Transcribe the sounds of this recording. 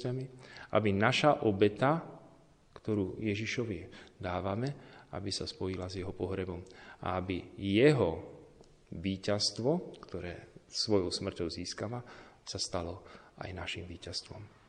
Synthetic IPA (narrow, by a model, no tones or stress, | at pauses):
amiʔa̰binaʃaʔɔbɛt̪a | kt̪ɔɾuːjɛʒiʃɔʋid̪aːʋamɛa̰bisaspɔjilazjɛɦɔpɔɦɾɛbɔma̰abijɛɦɔ | ʋiːcast̪ʋɔkt̪ɔɾɛ̰ːsʋɔjɔʊsmr̩cɔʊziːskaʋasast̪alɔa̰jnaʃimʋiːcast̪ʋɔm